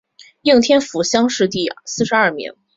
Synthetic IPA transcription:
ji˥˩ŋt̪ʰjɛ˥nfu˨˩ɕjɑ˥ŋʂɻ̩˥˧t̪i˥˩sɹ̩˥˩ʂɻ̩˧˥ɐ˥˩mḭ˧˥ŋ

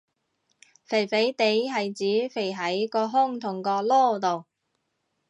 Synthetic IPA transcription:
fe˨˩jfe˨˥jt̪e˨˥jɦɐ˨jt͡siː˨˥fe˨˩jɦɐ˨˥jkɔː˧ɦʊ˥ŋt̪ʰʊ˨˩ŋkɔː˧lɔː˥t̪o˨w

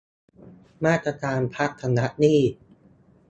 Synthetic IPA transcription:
maː˥˩t̪ːɾa˧kaː˧npʰa˦˥k̚t̪ʰa˧na˦˥ʔniː˥˩

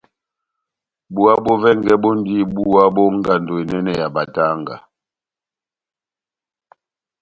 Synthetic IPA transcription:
bu˨a˦bɔ˦vɛ˦ŋɡɛ˦bɔ˦n˦di˦˨bu˦wa˦bɔ˦ŋ˦ɡa˨ndo˨i˨nɛ˦nɛ˨ja˨ba˨ta˦ŋɡa̰˨

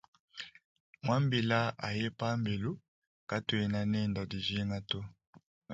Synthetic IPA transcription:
mwa˦mbi˨la˦ʔa̰˨je˦pa˦mbe˨lu˦ | ka˦to˨e˨na˨nɛ˦˨nda˨di˨ze˦ŋa˦to˦

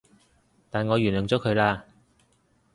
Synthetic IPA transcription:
t̪aː˨nŋɔː˨˧jyː˨˩nlɵ˨˩ŋt͡sɔː˨˥kʰɵ˨˧laː˧

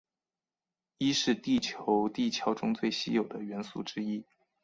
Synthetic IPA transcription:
i˥ʂɻ̩˥˧t̪i˥˩t͡ɕʰjo˧˥ʊt̪i˥˩t͡ɕʰjɑ˧˥ʊʈ͡ʂʊ˥ŋt͡swe˥˩ɪɕḭ˥jo˨˩ʊd̪ə˦ɥɛ˧˥nsṵ˥˩ʈ͡ʂɻ̩˥i˥

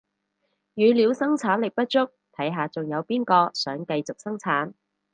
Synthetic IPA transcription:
jyː˨˧liː˨˧˥wsɐ˥ŋt͡sʰaː˨˥nlɪ˨k̚pɐ˥t̚t͡ʃʊ˥k̚t̪ʰɐ˨˥jɦaː˨t͡sʊ˨ŋjɐ˨˧wpiː˥nkɔː˧sœː˨˥ŋkɐ˧jt͡sʊ˨k̚sɐ˥ŋt͡sʰaː˨˥n

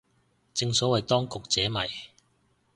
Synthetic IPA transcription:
t͡sɪ˧ŋsɔː˨˥wɐ˨jt̪ɔː˥ŋkʊ˨k̚t͡sɛː˨˥mɐ˨˩j

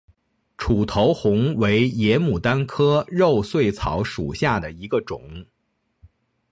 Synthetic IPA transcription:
ʈ͡ʂʰu˨˩t̪ʰo˧˥ʊxʊ˧˥ŋwe˧˥ɪjɛ˧˥mu˨˩t̪a˥nkʰɤ˥ɻo˥˧ʊswe˥˩ɪt͡sʰɑ̰˧˥ʊʂṵ˨˩ɕja˥˩d̪ə˩i˧˥ɡə˧ʈ͡ʂʊ̰˨˩˦ŋ

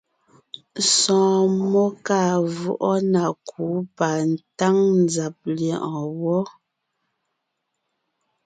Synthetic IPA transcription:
sɔ̃ː˨mɔ˦ka˦˨vu˦ʔɔ˦na˨kʰu˨˦pa˨n̩˨ta˦ŋn˨za˨p̚ljɛ˨ʔɔ̃˨wɔ˦

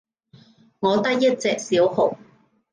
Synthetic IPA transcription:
ŋɔː˨˧t̪ɐ˥k̚jɐ˥t̚t͡sɛː˨˧k̚siː˨˥whʊ˨˩w

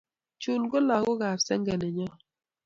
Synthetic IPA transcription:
t͡ʃu˨lɡɔ˦la˨ɡɔ˦ɣa˨ɾsɛ˦ŋɡɛ˨nɛ˨ɲɔ˦

